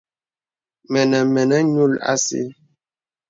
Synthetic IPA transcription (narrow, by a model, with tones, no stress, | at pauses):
mɛ˨nɛ˨mɛ˨nɛ˦ɲu˦˨la̰˦sḭ˦